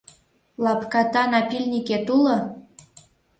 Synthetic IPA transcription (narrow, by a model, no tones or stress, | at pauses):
lɑpkɑt̪ɑnɑpilʲnʲiket̪ulɤ̆